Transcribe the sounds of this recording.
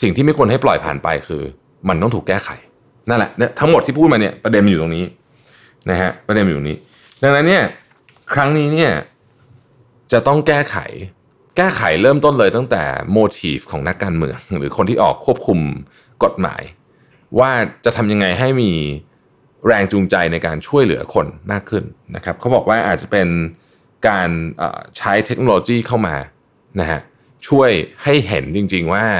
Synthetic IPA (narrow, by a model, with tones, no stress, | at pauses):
si˨˩ŋt̪iː˥˩ma˥˩jkʰu˧ənɦa˥˩plɔ˨˩jpʰaː˨˩npa̰˧jkʰɯː˧ | ma˧nt̪ɔ˥˩ŋt̪ʰuː˨˩kːɛː˥˩kʰa̰˨˩˦j | na˥˩nlɛ̰˨˩ʔn˦˥t̪ʰa˦˥ŋmo˨˩t̪ʰːiː˥pʰuː˥˩t̪ma˧ni˥˩ɐpɾa˧de˧m˨juː˨˩t̪o˧ŋniː˦˥ | na˦˥kʰɦa˦˥ʔpɾa˧de˧mjːnḭː˦˥ | da˧ŋna˦˥nːi˥˩ɐ | kʰɾa˦˥ŋniː˦˥ni˥˩ɐ | t͡ɕa˨˩t̪ɔ˥˩ŋkɛː˥˩kʰa̰˩˦j | kɛː˥˩kʰa̰˩˦jɾɤː˥˩mt̪o˥˩nlɤː˧jt̪a˥˩ŋt̪ɛ̰ː˨˩moː˧t̪ʰiː˦˩fkʰɔː˩˦ŋna˦˥kːaː˧nmɯ̰˧əŋɾɯ̰ː˩˦kʰo˧nt̪ʰiː˥˩ʔɔ̰ː˨˩kʰːu˥˩əp̚kʰu˧m | ko˨˩t̪̚ma̰ː˩˦j | waː˥˩t͡ɕa˨˩t̪ʰa˧mja˧ŋːa˧jɦa˥˩jmiː˧ | ɾɛː˧ŋt͡ɕuː˧ŋt͡ɕa˧jna˧jkaː˧nt͡ɕʰu˥˩əjlɯ̰˨˩˦ɐkʰo˧nmaː˥˩kʰːɯ˥˩nna˦˥kʰa˦˥p̚kʰa˦˥wbɔː˨˩k̚waː˥˩ʔaː˨˩t̪̚t͡ɕa˨˩pe˧n | kaː˧nʔə̰ː˨˩t͡ɕʰa˦˥jt̪ʰe˦˥k̚noː˧loː˧t͡ɕiː˥˩kʰa˥˩wma̰ː˧ | na˦˥hʰa̰˦˥ʔ | t͡ɕʰu˥˩əjha˥˩jɦe˨˩˦nt͡ɕi˧ŋt͡ɕi˧ŋwaː˥˩